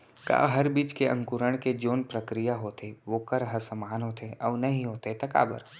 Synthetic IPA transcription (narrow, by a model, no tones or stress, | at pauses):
ka̰ːɦɐɾbiːt͡ʃkeɐ̃ŋkʊɾəɽ̃ked͡ʒoːnpɾɐkɾijaɦoːt̪eʋoːkɐɾɦəɾsɐmaːnɦoːt̪eʔɔːʋnɐɦĩɦoːt̪et̪ɐka̰ːbə̰ɾ